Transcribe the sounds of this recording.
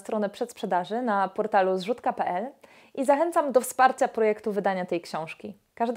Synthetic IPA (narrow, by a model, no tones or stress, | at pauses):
st̪ɾɔnɛpʂɛt̪spʂɛd̪aʐɘnapɔɾt̪aluzʐut̪kapɛʔɛl | ʔizaxɛnt̪samd̪ɔfspaɾt͡ɕapɾɔjɛkt̪uvɘd̪aɲat̪ɛjkɕɔ̃w̃ʂkʲi | kaʐd̪